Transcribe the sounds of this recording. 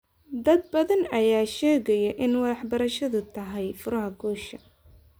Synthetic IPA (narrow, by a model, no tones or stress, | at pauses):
d̪ɐd̪̚bɐðɐnɐjaːʃɛːɣɐjɐʔɪnwɐðɑħbɐɾɐʃɐðʊt̪ʰɐɦɛjfʊɾɐɦɐɡɔːʃɐ